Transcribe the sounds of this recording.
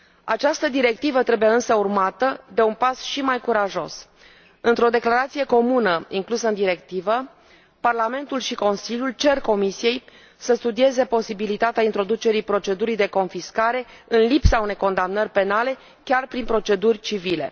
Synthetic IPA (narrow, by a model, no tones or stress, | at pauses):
at͡ʃast̪əd̪iɾe̞k̚t̪ivət̪ɾe̞bujeɨnsəurmat̪əd̪e̞unpasʃimajkuɾaʒo̞s | ɨnt̪ɾo̞d̪e̞klaɾat̪sije̞ko̞munəiŋklusəɨnd̪iɾe̞kt̪ivə | parlame̞nt̪ulʃiko̞nsilʲjult͡ʃe̞rko̞misije̞j | səst̪ud̪ie̞ze̞po̞sibilit̪at̪eaint̪ɾo̞d̪ut͡ʃe̞ɾijpɾo̞t͡ʃe̞d̪uɾijd̪e̞ko̞nfiskaɾe̞ɨnlipsaune̞jko̞nd̪amnərʲpe̞nale̞ | kʲarpɾinpɾo̞t͡ʃe̞d̪urʲt͡ʃivile̞̰